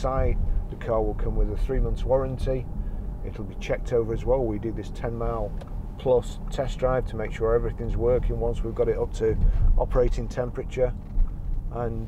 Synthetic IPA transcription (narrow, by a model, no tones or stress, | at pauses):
saɪd̪̚ðəkʰɑɹwɪlˠkʰʌ̃mwɪðəθɹimʌ̃nθswɒɹə̃ntʰiɪtl̩ˠbit͡ʃʰɛk̚tʰoʊvə˞əzwɛlˠwidɨðɪstʰɛ̃nmaɪlˠpʰl̥ʌs | tʰɛsdɹaɪv̥tʰəmeɪkʃʊɹɛvɹɪθɪ̃ŋzwɜˑ˞kɪ̃nwʌ̃nswivɡɑɾɪɾʌp̚tʰəʔɒpʰəɹeɪɾɪ̃ntʰɛ̃mpɹɨt͡ʃə˞ | ʔə̃n